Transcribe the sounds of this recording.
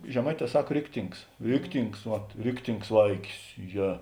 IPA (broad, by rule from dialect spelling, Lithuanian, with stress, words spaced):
ʒʲɛˈmɐɪˌtʲɛː ˈsɐk ˈrʲɪktʲɪŋks ˈrʲɪktʲɪŋks ʋɐt ˈrʲɪktʲɪŋks ˈʋɐɪkʲɪs ˈjɛ